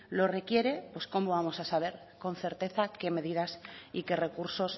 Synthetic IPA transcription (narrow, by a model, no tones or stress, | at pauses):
lo̞re̞kje̞ɾe̞pwe̞sko̞moβamo̞sasaβ̞e̞ɾ | ko̞nθe̞ɾt̪e̞θake̞me̞ð̞iðasike̞re̞kuɾso̞s